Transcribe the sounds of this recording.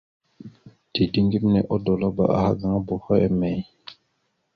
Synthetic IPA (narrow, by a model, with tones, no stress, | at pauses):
ti˨di˦ŋɡi˦mnɛ˨ʔɔ˦dɔ˨lɔ˦ba̰˨ʔa̰˨ha̰˦ɡa˨ŋa˦bɔ˨hɔ˦ɛ˨mɛ˨j